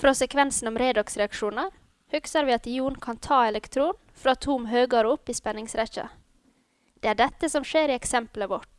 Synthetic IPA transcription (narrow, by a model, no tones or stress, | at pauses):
fɾɔsɛkʰʋɛnsn̩ɔmɾɛɪd̪ɑksɾɛɑkʂuːnəɾ | hʏksəɾʋɪːɑt̪juːɳkʰɑnt̪ʰɑːɛlɛkt̪ʰɾuːn | fɾɑːt̪ʰuːmɦøːɡɑɾʊpːiːspɛnɪŋsɾɛçɑ̰ | d̪̥ɛːæːɖɛt̪ːəsɔmʂeːɾɪɛksɛmpləʋɔʈ